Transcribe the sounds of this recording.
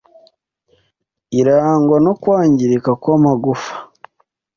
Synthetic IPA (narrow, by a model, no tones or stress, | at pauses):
iɾaːŋɡwano̞kwaːɲɟiɾikakwamaɡufḁ